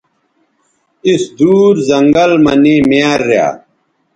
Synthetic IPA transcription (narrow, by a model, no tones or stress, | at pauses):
isd̪uːɾzɐŋɡɐlmɐnimeaɾːja̰ː